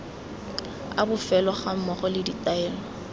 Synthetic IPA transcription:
abʊfɛlɔχam̩mɔχɔlɪditaɛːlɔ

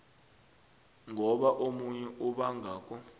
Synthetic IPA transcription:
ŋʱɔɓaʔomuɲɛʔuɓaŋʱaːk̬ʼɔ

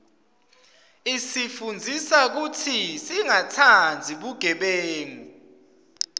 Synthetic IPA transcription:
isifund͡zʱisak̬utʰisiŋatʰand͡zʱiɓuɡ̥ʱɛɓeːŋi

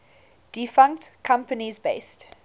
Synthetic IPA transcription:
d̥ifãŋktkʰãmpənizbeɪst

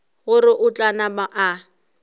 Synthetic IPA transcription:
ɣʊrɪʔʊt͡ɬʼanabaʔa

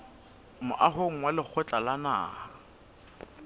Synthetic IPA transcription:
mʊʔaɦoŋ̩walɪk͡xʰɛt͡ɬʼalana̰ːha

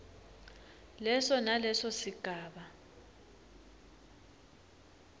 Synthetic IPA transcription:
lɛsɔnalɛsɔsiɡ̥ʱaːɓa

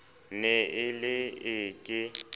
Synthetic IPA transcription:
neɪlɪɪːkʼɪ

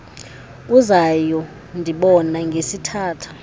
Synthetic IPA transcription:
k̬ʼuzajɔ | ndʱiɓɔnaŋɡʱesitʰaːtʰu̥

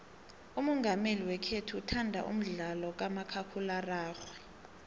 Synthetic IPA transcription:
umɔŋɡʱameliwɛkʰetʰuːtʰandʱa̰ʔṵm̩ɮalɔk̬amakʰakʰularaːxwɛ

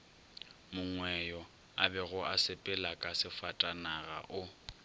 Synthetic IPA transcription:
mʊŋwɛjɔ | abɛɣʊʔasɪpʼɛlakʼasɪfatʼanaɣa̰ʔʊ

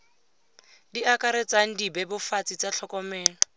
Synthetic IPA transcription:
diʔakaɾɛt͡saŋ̩dibɛbʊfat͡sʼit͡saɬʰɔkʼɔmɛːlɔ

